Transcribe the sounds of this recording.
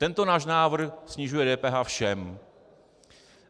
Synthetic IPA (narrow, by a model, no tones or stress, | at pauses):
t̪ɛnt̪o̞naːʃnaːvr̩xsɲɪʒujɛdɛːpɛːɦaːfʃɛm